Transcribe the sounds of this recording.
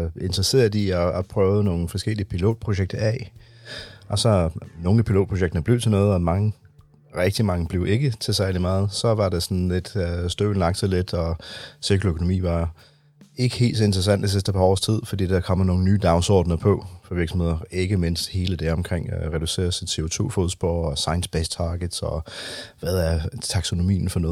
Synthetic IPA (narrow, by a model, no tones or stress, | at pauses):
e̝nd̥ʁɐse̝̰ːɐ̥iɒːpʰʁœːʊðˠəno̝ːn̩fɒ̽sɡ̥el̰iəpʰilo̝̰ːd̥̚pʰʁoɕeɡ̥̚d̥ɐɛ | ɒ̽sɒ̽no̝ːn̩æpʰilo̝̰ːd̥̚pʰʁo̝ɕ̬eɡ̥̚d̥ɐnəb̥le̝ʊt͡sʰenɔ̽ːð̩ˠɒ̽mɑ̈ŋə | ʁɛɡ̥̚d̥imɑ̈ŋəb̥le̝ʊʔe̝ɡ̥ət͡sʰe̝sæɐlimɑ̈ːð̞̩ˠsɒ̽ʋɑ̈d̥esɒ̽n̩le̝d̥sd̥øʊn̩lɑ̈ɡ̥d̥sɑle̝d̥ɒ̽sekʰløkʰo̝no̝mḭːʋɑ̈ | e̝ɡ̥əhe̝̰ːld̥s̬ɒend̥ʁɐs̬æn̰d̥is̬isd̥əpʰɑ̈ɒ̰ːst͡sʰið̞̰ˠfɒ̽d̥ḭːd̥ɑkʰɒ̽m̰no̝ːn̩nyːd̥ɑ̈ʊnsɒ̰ːd̥nɐpʰɒ̽fɒ̽ʋiɐɡ̥sm̩he̝ð̰ˠɐe̝ɡ̥əme̝n̰sd̥he̝ːləd̥æɐɒ̽mkʰʁeŋ̰ʁɛd̥use̝̰ːɐsit͡sʰe̝o̝t͡sʰo̝̰ːfo̝ðˠsb̥o̰ɒsɑ̈ɪnsb̥est͡sʰɑ̈ːɡ̥əd̥sɒ̽ʋæðˠæɐt͡sʰɑ̈ɡ̥so̝no̝mḭːn̩fɒnɔ̽ːð̩